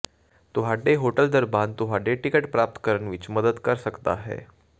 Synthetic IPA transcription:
t̪uʋaɖeɦoʈəld̪əɾbant̪uɦaɖeʈikeʈpɾap̚t̪kəɾəɳʋiːt͡ɕməd̪əd̪kəɾsəkt̪a̰ɦḛ

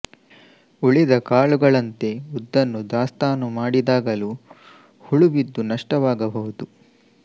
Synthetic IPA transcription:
uɭid̪ɐkaːɭuɡɐɭɐnt̪e̞ud̪ːɐnːud̪aːst̪aːnumaːɽid̪aːɡɐlu | huɭuʋid̪ːunɐʂʈɐʋaːɡɐbʱɐɦud̪u

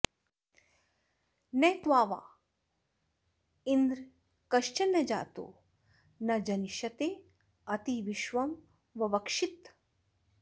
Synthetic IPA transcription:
nɛːt̪ʋaːʋa̰ː | ind̪ɾ | kɐʃt͡ʃɐnːɐd͡ʒa̰ːt̪o̰ː | nɐd͡ʒɐniʃɐt̪eː | ɐt̪iʋiʃʋɐm | ʋɐʋɐkʂit̪

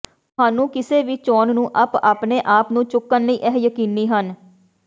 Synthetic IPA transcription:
t̪ʊɦaːnũːkɪseːʋiːt͡ʃɔːnnũːʔəpaːpneːʔaːpnũːt͡ʃʊkːənləiːʔɛɦjəkiːniːɦən

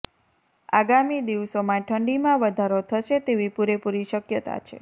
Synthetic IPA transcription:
aɡamid̪iʋsomãʈʰəɳɖimãʋəd̪ʱaɾot̪ʰəʃet̪eʋipuɾepuɾiʃəkjət̪a̰t͡ʃʰḛ

